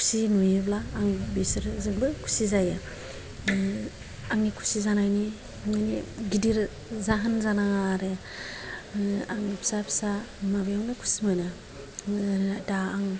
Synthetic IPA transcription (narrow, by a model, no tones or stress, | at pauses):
kʰu̥sinujeblaːŋbesɯɾzɯŋbɯkʰu̥sizaja | aŋnikʰu̥sizanajni | ŋaniɡidiɾ | zaɦanzanaŋaɾe | aŋpʰsapʰsamabejaŋlakʰu̥simalɯ | adaːŋ